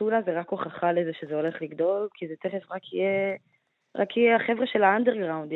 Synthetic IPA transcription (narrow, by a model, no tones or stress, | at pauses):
unazeʁakoχaχalezeʃezeo̞le̞χliɡdo̞lkizet̪eχefʁakʰije | ʁa̰kijeaχe̞vʁeʃelaandeʁɡʁawnd